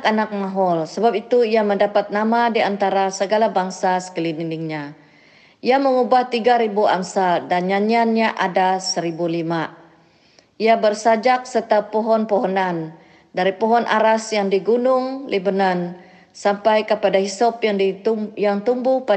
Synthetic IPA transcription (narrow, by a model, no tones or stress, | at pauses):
kanak̚maɦɔlsəbap̚it̪uiaməndapat̪̚namadiant̪aɾasəɡalabaŋsasə̥kəlininɪŋɲa | ʔiaməŋubaht̪iɡaɾibua̰msadanɲaɲianɲaʔadasəɾibulima | iabərsad͡ʒak̚sərt̪apɔɦɔnpɔɦɔnan | daɾipɔɦɔnʔa̰ɾasjaŋdiɡunʊŋlʔibənan | sampajkəpadahisɔpjaŋdijaŋt̪umbuhpa